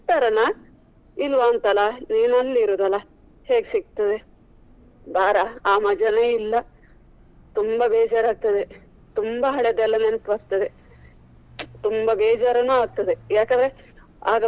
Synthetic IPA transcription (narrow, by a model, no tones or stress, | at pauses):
t̪ɐɾɐnɐ | ilʋaːnt̪ɐlɐniːnɐlːiɾuːd̪ɐlɐ | he̞ːɡsiɡ̚t̪ɐd̪e | baːɾɐaːmɐd͡ʒɐneːilːɐ | t̪umbɐbeːd͡ʒaːɾaːɡ̚t̪ɐd̪e | t̪umbɐɦɐɭed̪ɛlːɐnenpbɐɾt̪ɐd̪e | t̪umbɐbeːd͡ʒaːɾɐnuːaːɡ̚t̪ɐd̪ejaːkɐnd̪ɾe | a̰ːɡɐ